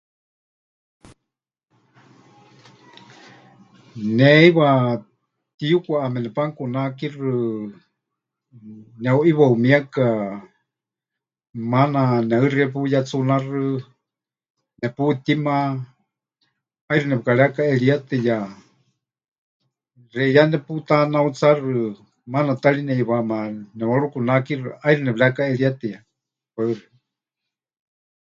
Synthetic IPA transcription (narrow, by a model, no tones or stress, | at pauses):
nɛiwa | t̪ijukʷaʔːmɛnɛpaŋkunakirɨ | nɛuʔiβaumiaka | mananɛɨriɛp̬ujat͡sunarɨ | nɛput̪ima | ajrɨnɛpɨkaɺɛakaɛɺiat̪ɨja | rɛjanɛput̪anaut͡sarɨ | manat̪aɺinɛiβamanɛwaɺukunakirɨʔairɨnɛβɺɛakaɛɺiat̪ɛja | waɨri